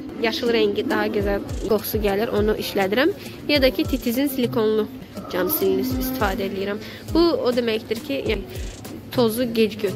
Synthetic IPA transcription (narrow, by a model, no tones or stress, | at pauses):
jɑʃɯlˠɾæɲɟid̪ɑɦɑɟøzælʲɡo̞xsuɟæliɾʔo̞nuʔiʃlæd̪iɾæm | jɑd̪ɑcʰit̪ʰit̪ʰizinsilʲikʰo̞nlˠu | d͡ʒɑmsilinisist̪i̥fɑːd̪ɛelʲijiɾæm | buod̪e̞mæcd̪iɾcʰijælʲ | t̪ʰo̞zuɟed͡ʒɟø